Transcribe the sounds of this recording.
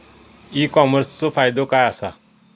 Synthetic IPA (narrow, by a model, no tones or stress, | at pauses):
iːkɔməɾst͡sopʰaːjd̪okaːaːsa